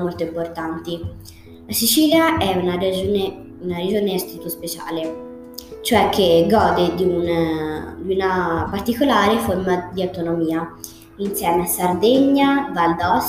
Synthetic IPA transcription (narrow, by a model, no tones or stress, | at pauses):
molt̪oimport̪ant̪i | lasit͡ʃiːljaʔɛunaɾed͡ʒne | unaɾed͡ʒoːneast̪ɾit̪ospet͡ʃa̰ːle | t͡ʃoɛkʰːeɡɔːd̪ed̪iun | d̪iunapart̪ikolaːɾefoɾmad̪iawt̪onomiːa | insjɛːmeasard̪eɲːavald̪ɔs